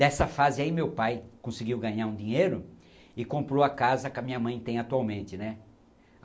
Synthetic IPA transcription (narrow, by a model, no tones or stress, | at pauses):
ɛsɐfazɪaimewpajkõsɪɡiwɡɐ̃ɲaɾũd̪ĩɲejɾʊ | ɪkõmpɾoakazɐkɪɐmĩɲɐmɐ̃j̃t̪ẽj̃at̪uawmẽnt̪ɪnɛ